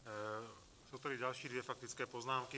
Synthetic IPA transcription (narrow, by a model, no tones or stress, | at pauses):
suʊt̪ɛdiɟalʃiːd̪ʋɪjɛfak̚t̪it͡skɛːpɔznaːmki